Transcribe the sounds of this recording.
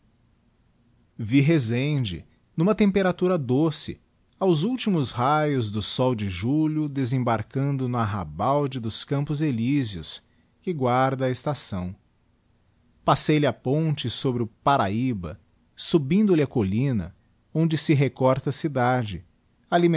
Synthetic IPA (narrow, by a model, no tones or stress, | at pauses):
viɦezẽd͡ʒɪ̰ | nũmɐt̪ẽmpeɾat̪uɾɐd̪osɪ̰ | awzuwt͡ʃimʊsɦajʊzd̪ʊsɔwd͡ʒɪʒulʲʊd̪ezẽbaɾkɐ̃nd̪ʊnʊaɦa̰bawd͡ʒɪd̪ʊskɐ̃mpʊzelizjʊ̰s | kɪɡwaɾd̪ɐːest̪asɐ̃w̃ | pasejlɪapõnt͡ʃɪsobɾɪʊpaɾaibɐ̰ | subĩnd̪ʊlɪɐkolĩnɐ̰ | õnd͡ʒɪsɪɦekɔɾt̪ɐsid̪ad͡ʒɪ | alim̃